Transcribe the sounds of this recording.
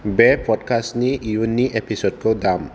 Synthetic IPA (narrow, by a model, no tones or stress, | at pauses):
bɛpɔdkʰasniijunːiʔepʰisod̚kɔdam